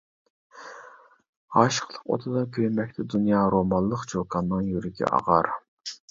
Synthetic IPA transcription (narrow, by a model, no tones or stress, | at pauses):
ɑʃə̥qlˠəqo̰t̪ʰɨd̪ɑkʲʰøjmɛk̚ʲt̪ʰɛd̪unjɑːɾomɑllˠəqd͡ʒokʰɑnːɨŋjyɾɪkʲʰɛ̰ɑ̰ʁɑɾ